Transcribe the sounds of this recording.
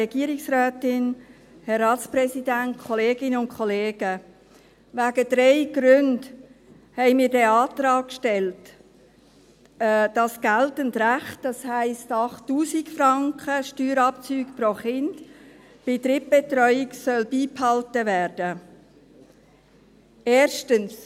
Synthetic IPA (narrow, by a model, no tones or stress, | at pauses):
ɛɡ̥iːəɾɪksraːtɪn | hɛɾːɑːtsprɛsidænt̚kʰɔleːɡɪnəʊnkʰɔleːɡ̥ə | ʋæɡəd̥ɾɛɪɡ̥ɾʏnd | hɛɪmiːɾdɛɑːt̪ɾɑːkʃtɛlt | d̥ɑsɡ̥æltəntræχtd̥ɑshæɪstɑχtːuːsikfɾɑŋkʰəʃtyːɾɑp̚t͡syːkproχɪnd̥ | b̥ɪtɾɪːp̚b̥etɾœʏɪksœlbiːphɑltəværd̥ə | eːɾʃtəns